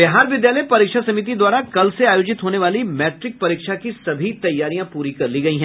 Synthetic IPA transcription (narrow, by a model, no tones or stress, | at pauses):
bɪɦaːɾʋɪd̪jaːləjpɐɾɪkʃasɐmit̪̬id̪waːɾakɐlseaːjoːd͡ʒɪt̪ɦoːneʋaːlimɛːʈɾɪk̚pɐɾɪkʃakisɐbʱit̪ɐjːaːɾijãpuːɾikɐɾliɡɐiɦɛ̃ː